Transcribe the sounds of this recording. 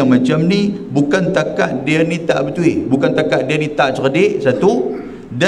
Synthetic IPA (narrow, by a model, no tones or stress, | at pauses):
aŋmãt͡ʃamnibukant̪aka̰ʔdianit̪a̰ʔbət̪uebukant̪akaʔdianit̪aʔt͡ʃərdɪʔsat̪u | da